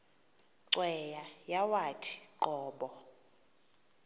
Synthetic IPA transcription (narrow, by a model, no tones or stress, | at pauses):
ǀwɛjajawatʰi̥ǃɔːɓɔ